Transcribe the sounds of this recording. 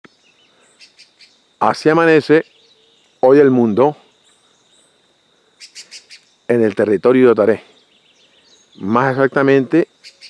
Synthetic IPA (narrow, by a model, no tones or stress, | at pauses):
a̰siamãne̞se | ojelmũnd̪o | ene̞lt̪e̞rit̪o̞ɾjuðot̪aɾe | masesak̚t̪amẽnt̪e